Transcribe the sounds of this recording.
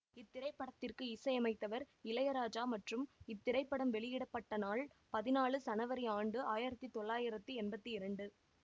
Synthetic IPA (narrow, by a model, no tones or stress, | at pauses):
ɪt̪ːɪɾɐɪpːɐɽɐt̪ːɪrkɯɪsɐɪjɐmɐɪt̪ːɐʋɐɾ | ɪlɐjɐɾaːd͡ʒaːmɐʈrɯmɪt̪ːɪɾɐɪpːɐɽɐmʋɛɭɪjɪɽɐpːɐʈːɐnaːɭpɐðɪnaːɭɯsɐnɐʋɐɾɐaːɳɖɯaːjɪɾɐt̪ːit̪ɔɭːaːjɪɾɐt̪ːiɛnbɐt̪ːiɪɾɐɳɖɯ